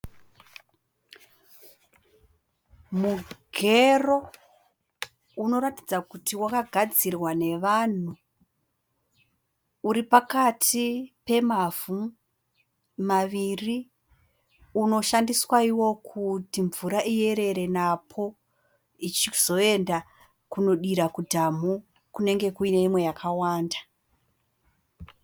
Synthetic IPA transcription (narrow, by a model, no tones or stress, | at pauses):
muɡʱero̞ | uno̞ɾati̥d͡zakutʰiwakaɡʱad͡zirwane̞ʋaːn̤u | ɾipakatʰipe̞mavu | maʋiri | uno̞ʃandiswaiwo̞kʰutiɱvuɾaʔie̞ɾe̞ɾe̞napʰo̞ | it͡ʃiz̥o̞e̞nda | kuno̞ɗiɾakudʱamu | kune̞ŋɡe̞kuine̞imwe̞jakʰawaːnda